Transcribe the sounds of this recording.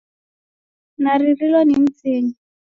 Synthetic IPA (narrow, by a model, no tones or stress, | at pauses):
naririlɔnim̩t͡siːni